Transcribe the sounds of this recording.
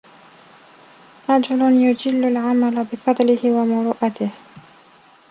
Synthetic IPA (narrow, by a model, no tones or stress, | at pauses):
ɾˤɑd͡ʒʊlʊnjʊd͡ʒɪlːalʕamalabɪfɑd̪ˤlɪhɪwamʊɾuːʔat̪ɪh